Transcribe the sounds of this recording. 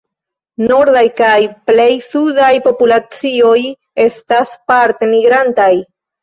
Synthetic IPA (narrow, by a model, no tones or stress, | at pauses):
no̞ɾdajkajple̞jsudajpo̞pulat͡sio̞j | e̞staspaɾt̪e̞miɡɾantaj